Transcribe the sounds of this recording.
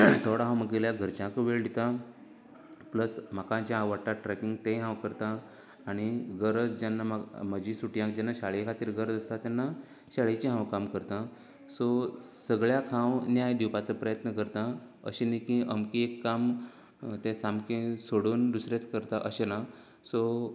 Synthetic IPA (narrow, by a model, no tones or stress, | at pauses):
t̪ʰoɽaɦãwməɡeljaɡʱəɾt͡ɕãkʋeɭɖit̪a | pləsm̤akãt͡ɕjaɦãʋaʈaʈɾɛkiŋɡt̪ẽɦãwkəɾt̪aː | ɽ̃iɡəɾəd͡zd͡ʑanːamaməd͡ʑisuʈjãk̚d͡ʑanːaɕaɭjekʰat̪iːɾɡəɾd͡zəst̪at̪janːa | ɕaɭet͡ɕiɦãwkamkəɾt̪ã | sɔsəɡɭjakʰãwnjajd̪iwpat͡səpɾəjət̪nəkəɾt̪ã | ə̰ɕenikĩʔəmkiekːam | t̪ẽsamkẽsoɽuːnd̪usɾet̪kəɾt̪aʔəɕena | sɔ